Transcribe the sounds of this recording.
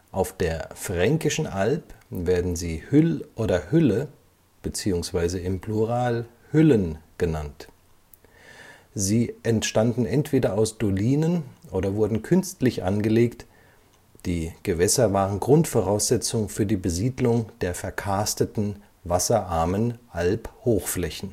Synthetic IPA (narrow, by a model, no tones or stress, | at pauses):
ʔaʊfd̥eːɐfʁ̥ɛŋkɪʃn̩ʔalpveːɐdn̩ziːhʏlʔoːdɐhʏlə | b̥ət͡siːʊŋsv̥aɪzəɪmpluʁaːl | hʏlənɡ̥ənant | ziːʔɛntʃtandn̩ɛntv̥eːdɐaʊsd̥oliːnənʔoːdɐvʊɐdn̩kʰʏnstlɪçʔa̰nɡəleːkt | d̥iːɡ̥əvɛsɐvaːʁənɡʁʊntfɔʁaʊsz̥ɛt͡sʊŋfyːɐdiːbəziːdlʊŋd̥eːɐfɛɐkʰastətn̩ | vasɐʔaɐmənʔalphoːxflɛçn̩